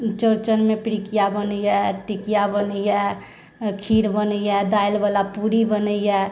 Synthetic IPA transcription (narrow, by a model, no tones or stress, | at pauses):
t͡ʃəɾt͡ʃənmepɾikijabənəjɛʈikijabənəjɛ | kʰiɽbənəjɛd̪ajlbəlapuɾibənəijɛ